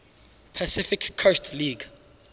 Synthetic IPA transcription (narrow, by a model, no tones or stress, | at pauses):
pʰəsɪfɪkʰːostʰliɡ